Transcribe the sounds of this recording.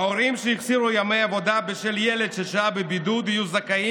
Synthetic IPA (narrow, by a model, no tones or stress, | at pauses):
aoɾimʃeiχziɾujamejavo̞d̪abeʃeljeled̪ʃeʃaabebid̪ud̪ijuzakai